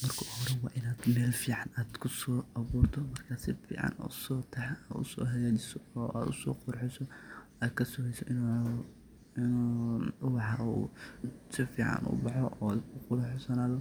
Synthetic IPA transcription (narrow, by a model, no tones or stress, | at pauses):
mɐrkʰʊhɔɾɛwɑːʔɪnaːd̪mɛːlfiːʕɑnaːd̪kʰʊsɔːʔɑβuːrt̪ʰɔmɐrkʰaːsɪfḭːʕɑ̰nɔ̰ːsɔːt̪ʰɛħʊ̰sɔ̰ːɦɛjat͡ʃɪsɔɔːʔa̰ːd̪ʊsɔ̰ːqʊɾħɪsɔʔaːkʰɐsʊhɛjsɔʔɪn | ɪnuʊbɑħɑṵ | sɪfiːʕɑ̰nʔʊ̰bɑħɔʔɔːʊqʊðħɔsɐnaːðɔ